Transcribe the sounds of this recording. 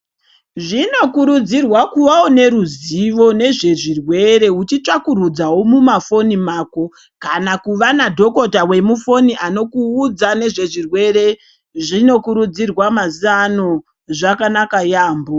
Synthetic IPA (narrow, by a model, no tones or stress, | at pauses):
ʐino̞kuɾud͡zirwakuʋaone̞ɾuziʋo̞ne̞ʐe̞ʐirwe̞ɾe̞ɦut͡ʃit͡ʂakurud͡zawomumafo̞nimaːko̞ | kanakuʋanadʱo̞ko̞tawe̞mufo̞niʔano̞kuːd͡zane̞ʐe̞ʐirwe̞re̞ | ʐino̞kuɾud͡zirwamazano | ʐakanakajaːmbo